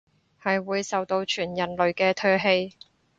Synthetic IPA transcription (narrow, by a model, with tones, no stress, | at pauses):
hɐ˨jwuː˨˧jsɐ˨wt̪o˧wt͡ʃʰyː˨˩njɐ˨nlɵ˨ɥkɛː˧t̪ʰœː˥ɦe˧j